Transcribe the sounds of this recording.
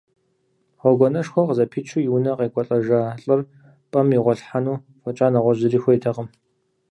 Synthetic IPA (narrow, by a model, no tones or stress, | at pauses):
χʷɔɡʷɔnɐʃxʷɔqəzɐpʰit͡ʃʰujiwnɐqeːkʷʼɔɬʼɐʒaːɬʼɨr | pʼɐmiʁʷɔɬħanuː | fʷɔt͡ʃʼaːnɐʁʷɔʑɪriːxʷɔjtʰɐqəm